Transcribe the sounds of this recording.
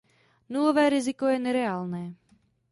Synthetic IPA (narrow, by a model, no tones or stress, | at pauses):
nulɔvɛːɾizikɔjɛnɛɾɛaːlnɛː